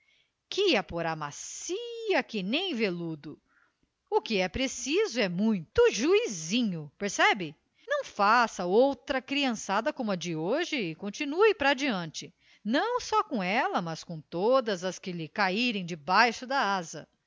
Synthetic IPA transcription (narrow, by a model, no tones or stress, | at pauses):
kɪɛpoɾamasiɐkɪnẽj̃velud̪ʊ | ʊkɪɛpɾesizʊɛmũj̃t̪ʊʒuizĩɲʊpeɾsɛbɪ | nɐ̃w̃fasɐowt̪ɾɐkɾiɐ̃sad̪ɐkõmʊɐd͡ʒɪoʒɪːkõnt͡ʃinuɪpɾad͡ʒiɐ̃nt͡ʃɪ | nɐ̃w̃sɔkõɛlɐmɐskõw̃t̪od̪ɐzɐskɪlɪkaiɾẽj̃d͡ʒɪbajʃʊd̪ɐazɐ̰